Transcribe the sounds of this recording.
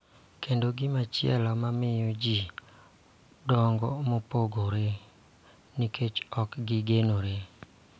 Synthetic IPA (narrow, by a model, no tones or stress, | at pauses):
kendoɡɪmat͡ʃɪɛ̰lɔmamɪjod͡ʒi | dɔŋɡɔmopoɡoɾe | nikʰet͡ʃɔkɡɪɡenoɾe